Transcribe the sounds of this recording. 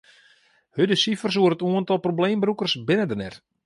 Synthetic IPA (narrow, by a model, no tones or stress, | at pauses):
hødəsifərs̬uəɾətuəntɔlˠprobleːmbrukərsbɪnədərnɛr